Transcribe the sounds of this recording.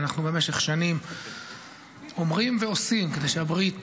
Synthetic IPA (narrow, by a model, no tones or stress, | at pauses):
naχnube̞meʃeχʃanim | o̞mʁimveosimked̪e̞jʃeabʁit̪